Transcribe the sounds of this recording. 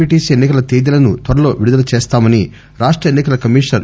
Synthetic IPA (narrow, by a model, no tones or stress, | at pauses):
iʈiːsenːikɐlɐt̪eːd̪ilɐnut̪ʋɐɾɐlo̞ːʋiɽud̪ɐlɐt͡ʃeːst̪aːmɐni | ɾaːʂʈɾɐjenːikɐlɐkɐmiːʂnɐɾ